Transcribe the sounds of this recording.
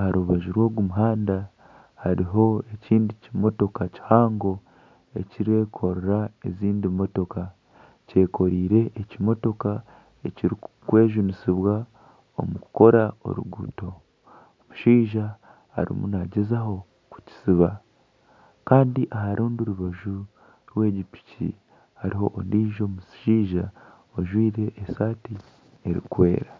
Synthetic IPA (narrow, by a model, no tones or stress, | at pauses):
ahaɾuβaʒiɾwo̞ːɡumuɦaːnda | haɾiɦo̞e̞ciːndicimo̞to̞kaci̥haːŋɡo̞ | e̞̰ciɾe̞kʰo̞ɾeɾaeziːndimo̞to̞ka | ce̞ːkʰo̞ɾiːɾe̞ʔecimo̞to̞ka | eciɾikwe̞ːʒunisiβwa | o̞̰muku̥ko̞ɾao̞̰ɾṵɡṵːto̞ | omuʃiːʒa | ha̰ɾḭmṵnaɟezaɦo̞ | ku̥ci̥siβa | kaːndiʔaɦaɾʔuːnduɾuβaʒu | ɾwe̞ːɟipi̥cḭ | haɾiɦo̞ʔondiːʒo̞ːmusʃiːʒa | oʒwiːɾe̞ʔːsaːti | e̞ɾḭkwe̞ːɾa